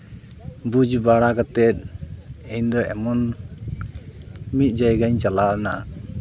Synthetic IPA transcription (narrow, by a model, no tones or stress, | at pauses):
bud͡ʒbaɽaɡat̪ɛt̪̚ɛjnd̪ɔʔɛmɔn | mit̪̚d͡ʒajɡaɲt͡ʃalana̰